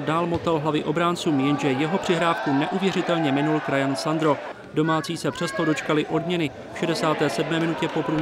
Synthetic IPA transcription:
daːlmot̪alɦlavɪʔo̞bɾaːnt͡suːmjɛnʒɛjɛɦo̞pr̥ɪɦɾaːfkunɛʔuvjɛrɪt̪ɛlɲɛmɪnulkɾajansand̪ɾo̞ | do̞maːt͡siːsɛpr̥ɛst̪odo̞t͡ʃkalɪʔo̞dmɲɛnɪ | fʃɛdɛsaːt̪ɛːsɛdmɛːmɪnucɛpo̞pɾu

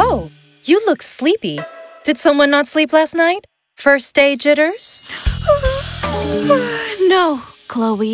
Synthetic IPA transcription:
oʊ | jɨlʊkslipid̥ɨd̥sʌ̃mwʌ̃nːətsliplæstⁿnaɪt̚ | fɜ˞sd̥eɪd͡ʒɪɾə˞z̥ | noʊkʰl̥oʊbi

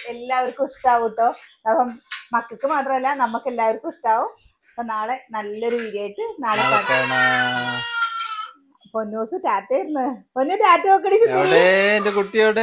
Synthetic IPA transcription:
e̞lːaːʋɐɾukuʂʈaːʋuʈːoː | ɐpːɐmmɐkːɐkːɨmaːt̪rɐmɐlːɐnɐmːukːe̞lːaːʋoɾukɨuʂʈaːʋu | ɐpːoːnaːɭe̞nɐlːo̞ɾuʋiɾeːjiʈːɨnaːɭekːaːʈɐ | ponːoːsɨtaːtːɐjiɾunːɨponːutaːʈːɨokːɐɽit͡ɕːuneeendekuʈːijoːɽe

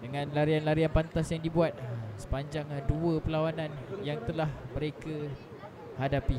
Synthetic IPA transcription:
dəŋãnlaɾianlaɾianpant̪asjaŋdibuat̪̚sə̥paɲd͡ʒaŋduəpəlawanãnjaŋt̪əlahməɾeka | hadapi

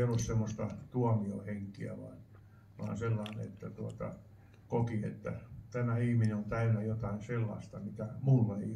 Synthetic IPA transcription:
olːussemːost̪ɑt̪uɑmio̰heŋkiæ̰ʋɑ̰ːn | ʋɑ̰nselːɑːnḛt̪ːæt̪uot̪ɑ̰ | kokiḛt̪ːæt̪æmæihmineont̪æynæjot̪ɑinselːɑ̰st̪ɑmit̪æmulːee

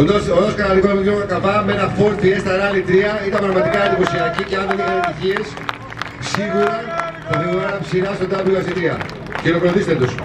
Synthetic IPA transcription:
onosonoskɐnɐlikonmit̪ɾoɐkɐpɐmenɐfo̞ɾt̪iest̪ɐɾɐlit̪ɾiɐit̪ɐmbɾɐɣmɐt̪ikɐɐnd̪ipo̞siɐciceɐnðenixɐnet̪içie̞s | siɣuɾɐθɐðiuɐnɐpsiɾɐst̪od̪ɐpiloɐsit̪ɾiɐ̰ | cenopɾoθist̪et̪us

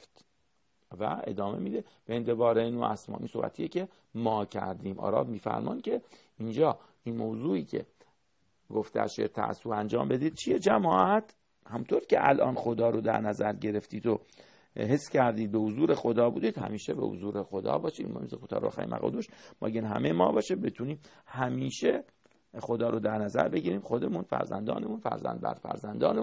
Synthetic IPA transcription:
t̪ | væe̞̰d̪ɒːme̞̰miːd̪e | b̥eent̪ʰevɒːɾeinuʔæsmɒ̰ːʔinsobæ̰t̪ʰijecʰe | mɒːcʰæɾd̪iːmʔɒ̰ːɾɒ̰ːvmiːfæ̰ɾmɒːnd̪̥̚cʰe | ind͡ʒɒː | inmoːzuːiːcʲʰe̞̰ | ɡoft̪eæ̰ʃḛt̪ʰæ̰æ̰sːuːænd͡ʒɒːmbe̞d̪iːd̪̥̚t͡ʃʰijed͡ʒæmɒːʔæt̪ʰ | hæmunt̪ʰoɾicʲʰḛʔælʔɒ̰ːnxod̪ɒːɾod̪æ̰ɾnæzæɾɟe̞ɾeft̪iːd̪o | ɦesːcʰæɾd̪iːd̪̚behozuːɾexod̪ɒːbuːd̪iːd̪̥hæ̰miːʃebḛho̰zuːɾexod̪ɒ̰ːbɒːʃiːmohḛmizixot̪ʰɒ̰ːɾobexæ̰ɾḭmʔæ̰ɣɒ̰ːd̪oʃmɒ̰ːɡenɦæ̰mejemɒ̰ːbɒːʃebet̪ʰuniːm | hæmiːʃe | xod̪ɒːɾod̪æɾnæzæ̰ɾbeɟiːɾiːmxod̪emuːnfæ̰ɾzæ̰nd̪ɒ̰ːnemuːnfæ̰ɾzæ̰nbæ̰ɾd̪fæ̰ɾzænd̪ɒːne

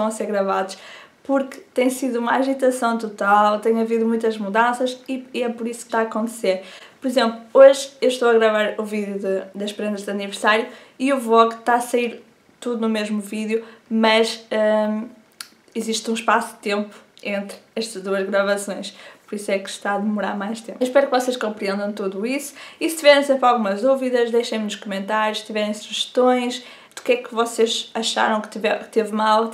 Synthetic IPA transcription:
ʃt̪ɐ̃w̃ɐseɾɣɾɐvaðuʃpuɾkɨ̥t̪ẽj̃siðuumɐaʒit̪ɐsɐ̃w̃t̪ut̪alˠt̪ẽɲ̃ɐviðumũj̃t̪ɐʒmuðɐ̃sɐʃiiɛpɔɾisu̥kt̪aɐkõnt̪seɾpɔɾizẽmplˠuoʒewʃt̪owɐɣɾɐvaɾuviðjuðɨd̪ɐʃpɾẽnd̪ɐʒðɐnivɨɾsaɾju | iuvɔɣt̪aɐsɐiɾ | t̪uðunumeʒmuviðjumɐʃɛ | iziʃt̪ũʃpasud̪t̪ẽmpu̥ẽnt̪ɾɛʃt̪ɐʒd̪uɐʒɣɾɐvɐsõj̃ʃpuɾisɛkʃt̪aɐðmuɾaɾmajʃt̪ẽmpʃpɛɾukvɔseʃkõmpɾiẽnd̪ɐ̃w̃t̪uðuisu̥isɨ̥t̪ivɛɾẽsẽmpɾalˠɣumɐʒðuviðɐʒd̪ejʃɐ̃j̃muʃkumẽnt̪aɾjuʃt̪ivɛɾẽj̃suʒɨ̥ʃt̪õj̃ʃ | d̪̥ukɛkvɔseʃɐʃa̰ɾɐ̃w̃kt̪ivɛkt̪evmalˠ

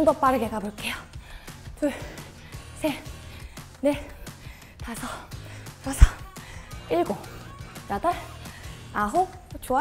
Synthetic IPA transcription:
ndop͈aɾɯɡeɡaboɭk͈e̞jo | tɯ | sʰe | ne̞ | tasʰʌkasʰʌ | iɭɡojada | aɦot͡ɕoa

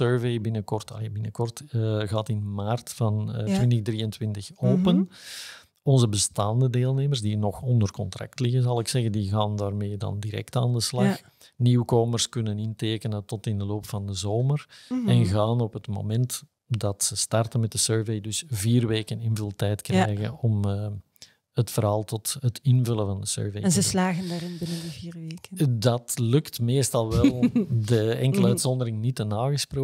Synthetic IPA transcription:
søːɹvejbɪnəkɔrtɑ̰lbɪnəkɔrtɣaːtɪnmaːrtfɑntʋɪntəɣdriːəntwɪntəxoːpən | ɔnzəbəstaːndədeːlˠneːmərzdinɔxɔndərkɔntrɑ̰ktlɪɣənzɑlˠɪksɛɣəndiɣaːndaːrmeːdɑ̰ndiɾɛ̰ktaːndəslɑxx | niːwkoːmərskʏnənɪnteːkənəntɔtɪndəloːpfɑndəzoːmərɛnɣaːnɔpətmo̰mɛnt | dɑtsəstɑrtənmɛt̚dəsøːɹvejdʏsviːrʋeːkənɪnvəlˠtɛjtkrɛːjɣənɔm | ətfəɾɑːlˠtɔtɦətɪnvʏləvɑndəsø̰ːɹvejnzəslaːɣəndaːɾɪnbɪnəndəviːrʋeːkədɑtlʏktmeːstɑlˠʋɛlˠdəɛŋkələœːtsɔndəɾɪŋnitənaːɣəsproː

